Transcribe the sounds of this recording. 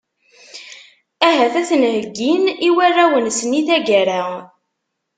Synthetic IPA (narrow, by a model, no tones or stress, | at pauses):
æɦæθæθənhəɡiniwærːæwənsəniθæɡæɾa